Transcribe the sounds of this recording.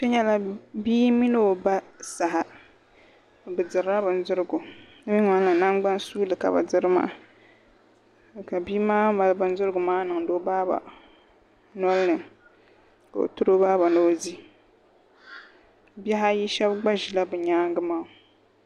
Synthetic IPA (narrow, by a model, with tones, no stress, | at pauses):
to˦ɲɛ˦la˦biː˦mi˦no˦o˨ba˦sa˨ɦa˨ | bɨ˨dɨ˨ɾɾa˦bɨ˨n˦zɨ˦ɾɨ˦ɡu˨ | nɨ˦bi˦ŋa˦n˦lɨ˨na˦ŋɡ͡ba˦nsuː˦lɨ˨ka̰˨ba̰˨dɨ˦ɾɨ˦ma̰ː˦˨ | ka˨biː˦maː˦ma˨lɨ˦bɨ˨n˦zɨ˦ɾɨ˦ɡʊ˨maː˦nɨ˨ŋ˨do˦baː˦ba̰˨ | nɔ˦lɨ˦nɨ˨ | ka̰˨o̰˨tu˦ɾo˦baː˦ba˨no˦zi˦ | bɛ˦ɦa˦ji˦ʃɛ˦bɡ͡ba˦ʒi˨la˦bɨ˨ɲaː˦ŋ˦ɡɨ˦maː˨